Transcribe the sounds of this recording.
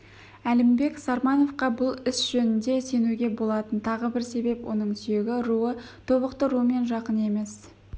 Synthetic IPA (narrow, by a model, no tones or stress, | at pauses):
ælɪmbe̞ksɑɾmɑno̞fqɑbʊlˠɪsʒ̥ɵnɪnd̪e̞se̞nuɡʲe̞bo̞lˠɑt̪ənt̪ʰɑʁəbɪɾse̞be̞pwo̞̰nəɴsʏje̞ɡʲɪɾuət̪ʰo̞βəqt̪əɾuəme̞nʒɑqəne̞me̞s